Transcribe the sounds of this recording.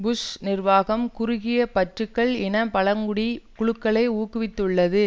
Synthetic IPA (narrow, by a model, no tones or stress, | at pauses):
bʊsnɪrʋaːɣɐmkʊɾʊɣɪjɐpɐʈrɯkːɐɭɛnɐpɐɭɐŋɡʊɽikʊɻɯkːɐɭɐɪuːkːɯʋɪt̪ːɯɭːɐðɯ